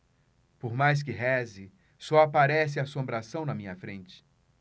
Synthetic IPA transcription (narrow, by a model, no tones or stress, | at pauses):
poɾmajs̬kɪɦɛzɪ | sɔapaɾɛs̬ɪasõmbɾasɐ̃w̃nɐmĩɲɐfɾẽnt͡ʃɪ̥